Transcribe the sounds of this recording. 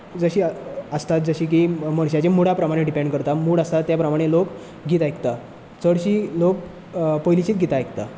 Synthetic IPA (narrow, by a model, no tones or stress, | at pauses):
d͡zəɕiːəst̪at̪̚d͡zəɕiːk̬iməɳ̃ɕ̬jat͡ɕemuɽ̤apɾəmaɽ̃eɖipẽɳɖkəɾt̪amuːɽəst̪at̪ːjapɾəmaɽ̃elok | ɡʱit̪ajkt̪a | t͡səɽɕiːlok | pəjlit͡ɕiːt̪ɡʱit̪ajkt̪a